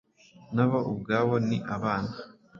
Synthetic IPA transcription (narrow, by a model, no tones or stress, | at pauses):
naβoʔub̚ɡaːβoniʔaβaːna